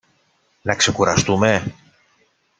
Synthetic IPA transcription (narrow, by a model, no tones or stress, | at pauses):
nɐkse̞kuɾɐst̪ume̞